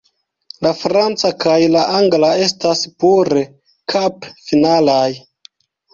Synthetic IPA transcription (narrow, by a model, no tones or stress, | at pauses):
lafɾant͡sakajlaʔaŋɡlae̞staspuɾe | kʰapfinalaj